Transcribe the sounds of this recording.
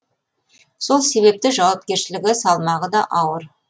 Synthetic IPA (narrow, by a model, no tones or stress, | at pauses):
so̞lˠse̞βe̞p̚t̪ɪʒɑwɑp̚kʲe̞ɾʃɪlɪɡʲɪsɑlˠmɑʁəd̪ɑʔɑwəɾ